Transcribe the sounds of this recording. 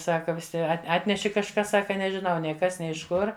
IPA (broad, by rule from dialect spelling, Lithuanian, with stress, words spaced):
ˈsɑːkɐ ʋʲɪˈsʲɪ ɐt ˈɑːtʲnʲɛʃʲɪ kɐʃˈkɐs ˈsɑːkɐ nʲɛʒʲɪˈnɐʊ ˈnʲɛɪ ˈkɐs ˈnʲɛɪ ɪʃ ˈkʊr